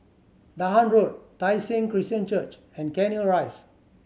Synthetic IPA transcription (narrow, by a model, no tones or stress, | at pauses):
daɦãnɹot̚tajsẽŋkɹistə̃nt͡ʃət͡ʃɛ̃nkɛ̃niəlɹaɪs